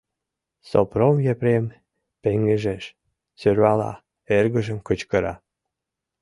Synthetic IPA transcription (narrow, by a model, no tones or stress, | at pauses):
so̰promjepɾem | peŋeʒeʃ | søɾβɑlɑ̰ | erɣə̆ʒə̆mkət͡ɕkəɾɑ̰